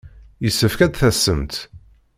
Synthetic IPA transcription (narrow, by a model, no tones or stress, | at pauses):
jəsːəfkæd̪θæsːəmt̪